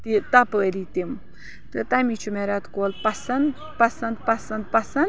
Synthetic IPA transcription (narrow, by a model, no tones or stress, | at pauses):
t̪it̪apəɾit̪im | t̪ɨt̪amit͡ʃʰumeɾat̪koːlpɐsɐnd̪ | pɐsɐnd̪pɐsɐnd̪pɐsɐnd̪